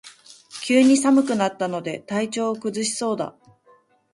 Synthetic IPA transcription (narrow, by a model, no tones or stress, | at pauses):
kʲɨːɲ̟isamɯ̟kɯ̟nat̪ːano̞d̪e̞t̪ait͡ɕo̞ːkɯ̟zɨɕi̥so̞ːd̪a̰